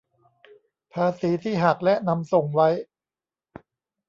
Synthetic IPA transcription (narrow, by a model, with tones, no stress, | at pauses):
pʰaː˧siː˩˦t̪ʰiː˥˩ɦa˨˩k̚lɛ˦˥ʔna˧mso˨˩ŋwa˦˥j